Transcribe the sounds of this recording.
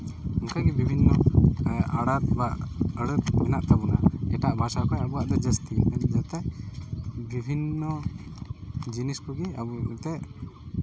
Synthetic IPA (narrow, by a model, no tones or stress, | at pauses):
ɔŋkaɡibibʱinːɔ | aɽat̪baʔəɽət̪mɛnaʔt̪ʰabunaɛʈaʔbʱaʃakʰajabuaʔt̪ɛd͡ʒəst̪iɛnd͡ʒat̪ɛ | bibʱinːɔ | d͡ʒiniskɔɡiabut̪ɛʔ